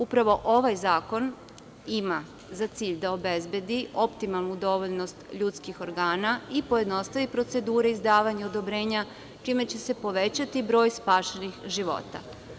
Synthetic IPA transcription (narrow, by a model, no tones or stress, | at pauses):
upɾaʋo̞ʔo̞ʋajzaːko̞n | ima | zat̪siːʎd̪aobe̞zbje̞d̪iʔo̞pt̪imalˠnud̪o̞ʋoʎno̞st̪ʎut̪skixo̞ɾɡaːnaipojed̪no̞st̪aʋipɾo̞t̪se̞d̪uːɾeizd̪aːʋaɲeod̪o̞bɾe̞ːɲa | t͡ʃime̞t͡ɕe̞se̞po̞ʋe̞t͡ɕat̪ibɾo̞ːjspaːʃenixʒiʋo̞̰t̪a̰